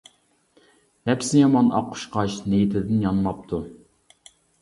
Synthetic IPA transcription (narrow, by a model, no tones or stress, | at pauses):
hɛpsɪjɑmɑnɑ̰qʰːʊ̥ʃqɑʃnejit̪ʰɪd̪ɪnjɑnmɑp̚t̪ʰu